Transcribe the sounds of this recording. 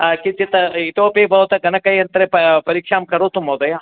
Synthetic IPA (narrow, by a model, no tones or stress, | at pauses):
kit͡ʃːit̪ɐit̪oːpebʱɐʋɐt̪ɐɡɐnɐkɐjɐnt̪ɐɾeppɐɾiːkʂaːmkɐɾoːt̪umɐwd̪ɐja